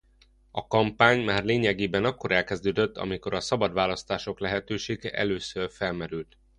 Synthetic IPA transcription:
ɒkɒmpaːɲmaːrleːɲɛɡeːbɛnɒkːo̞ɾɛlkɛzd̪øːd̪øt̪ːɒ̰miko̞ɾɒsɒbɒd̪ʋaːlɒst̪aːʃo̞klɛɦɛt̪øːʃeːɡɛʔɛ̰løːsørfɛlmɛɾylt̪

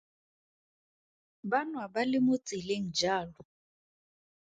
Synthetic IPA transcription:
banwabalɪmʊt͡sʼɪleŋ̩d͡ʒaːlɔ

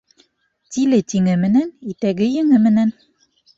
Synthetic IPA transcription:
t̪ilɘt̪iŋɘmɘ̆nænit̪æɡɘjɘ̆ŋɘmɘ̆næn

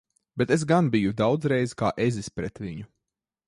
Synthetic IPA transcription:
b̥ɛt̪es̬ɡanbijud̪awd̪zɾɛjzika̰ːʔezispɾɛt̪ʋiɲu

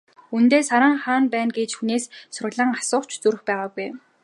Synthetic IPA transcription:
unt̪eːsaɾaːŋχaːnpæːnɡet͡ɕxuneːssʊrʁɮə̆ŋasʊːχt͡ɕʰt͡suɾɘ̆xpæːʁaːɡuj

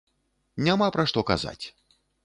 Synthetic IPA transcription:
nʲamapɾaʂt̪ɔka̰za̰t͡sʲ

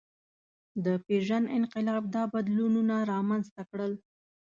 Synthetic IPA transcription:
d̪əpeʒanɪnqɪlɑb̚d̪ɑbad̪lununaɾɑmanzt̪akɽəl

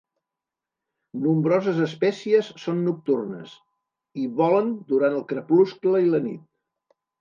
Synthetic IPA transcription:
numbɾɔzəzəspɛsiəsːonːuk̚t̪urnə̰s | iβɔlənd̪uɾant̪əlˠkɾəpluskləilənḭt̪̚

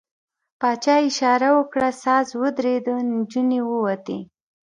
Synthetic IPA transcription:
pɑt͡ʃɑɪʃɑɾawəkɽasɑzwəd̪ɾed̪əd͡ʒunewəwat̪e

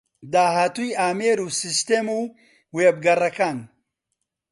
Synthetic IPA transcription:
d̪aːɦaːt̪ujaːmeːɾuːsist̪eːmu | weːb̚ɡɐrɐkaːn

